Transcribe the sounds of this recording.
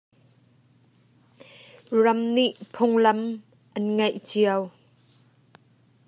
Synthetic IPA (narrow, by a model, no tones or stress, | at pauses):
rɐmniʔpʰʊŋlɐm | ʔɐnŋajʔt͡siəw